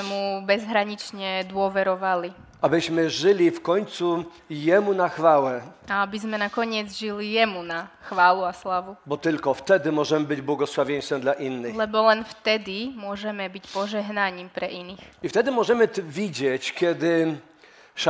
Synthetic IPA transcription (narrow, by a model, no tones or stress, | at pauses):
ɛmubɛzɦɾaɲit͡ʃɲɛd̪ʊɔʋɛɾɔʋali | ʔabɘʑmɘʐɘlʲifkɔɲt̪su | jɛmunaxfawɛaabizmɛnakɔɲɪɛd͡zʒilijɛmunaxʋaːluaslaʋubɔt̪ɘlkɔft̪ɛd̪ɘmɔʐɛmɘbɘd͡ʑbwɔɡɔswavʲjɛɲ̃st̪ɛmd̪laʔinːɘxlɛbɔlɛnft̪ɛd̪imʊɔʒɛmɛbicpɔʒɛɦnaɲiːmpɾɛʔinixift̪ɛd̪ɘmɔʐɛmɘvʲid͡ʑɛt͡ɕkʲjɛd̪ɘ | ʂ